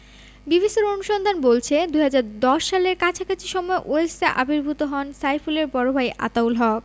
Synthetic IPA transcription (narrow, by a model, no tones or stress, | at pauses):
bibʱiʃoɾonuʃɔnd̪ʱanbolt͡ɕʰed̪ujɦad͡ʑaɾd̪ɔʃːaleɾkat͡ɕʰakʰat͡ɕʰiʃɔmɔeʔoesaʔabiɾbʱut̪oɦɔnsajfuleɾpɔɾobʱajʔa̰t̪awlɦɔk̚